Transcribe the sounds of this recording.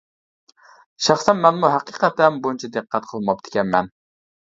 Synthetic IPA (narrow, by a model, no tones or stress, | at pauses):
ʃɑχsɛnmɛnmuɦæqiqʰɛt̪ɛnbojnt͡ʃʰɑd̪ɨqʰːæt̪̚qʰəlˠmɑp̚d̪ɪ̥kʲɛnmɛn